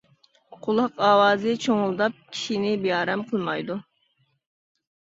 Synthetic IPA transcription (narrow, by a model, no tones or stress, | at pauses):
qʰʊlˠɑqɑːwɑːzɨt͡ʃʰoŋʊlˠd̪ɑp̚kʲʰi̥ʃinɪbijɑːɾɛmqʰəlˠmɑjd̪u